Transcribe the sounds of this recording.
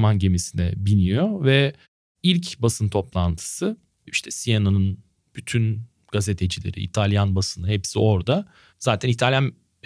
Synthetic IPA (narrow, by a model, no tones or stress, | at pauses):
manɟe̞misinɛ̰binijovɛ | ilʲcbasɯnt̪ʰo̞plˠant̪ʰɯ̥sɯ | iʃt̪ʰɛsijanonɯn | b̥yt̪ʰyn | ɡ̥aze̞t̪ʰe̞d͡ʒilʲeɾḭʔːt̪ʰalʲˠjanbasɯnɯɦɛpsio̞ɾd̪a | z̥aːt̪ʰɛnit̪ʰalʲjan